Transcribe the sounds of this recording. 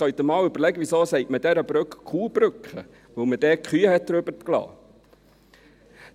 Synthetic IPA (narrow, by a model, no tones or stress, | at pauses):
œɥt̪əmɑːwʏb̥əɾlɛɡəʋisoːsɛɪtməd̥ɛɾəbɾøkkʰχuːb̥ɾʏkχə̰ | ʋɵwməd̥ɛːkχyːəhɛt̚d̪əɾøbət̪klɑ̰ː